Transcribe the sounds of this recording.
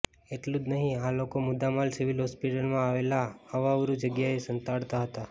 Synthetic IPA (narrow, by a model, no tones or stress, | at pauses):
eʈlud͡ʒ̪nəɦĩalokomʊd̪amalsiʋilɦɔspiʈəlmãaʋelaəʋaʋɾud͡ʒəɡjaesənt̪aɽt̪aɦət̪a